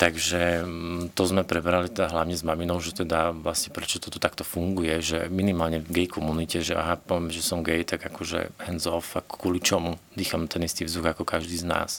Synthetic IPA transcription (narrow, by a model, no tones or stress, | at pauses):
t̪aɡʒɛt̪ɔzmɛpɾɛbɛɾalit̪ɛd̪aɦlaʊɲɛzmaminɔʊʒɛt̪ɛd̪aʋlasɲɛpɾɛt͡ʃɔt̪ɔt̪ɔt̪akt̪ɔfuŋɡujɛʒɛminimaːlɲɛvɡɛjkʰɔmunicɛʒɛʔa̰ɦapɔʋɛmʒɛsɔmɡɛjt̪aɡakɔʒɛ̰hɛnzɔfakkːwɔlit͡ʃɔmud̪iːxamt̪ɛnist̪iːvzd̪uɣakɔkaʒd̪iːzna̰ːs